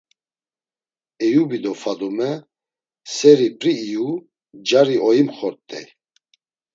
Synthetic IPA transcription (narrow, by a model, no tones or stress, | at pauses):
ɛjubid̪ɔfad̪ɔmɛ | sɛɾipʼɾiːju | d͡ʒaɾiʔɔjimχɔɾt̪ʼɛ̰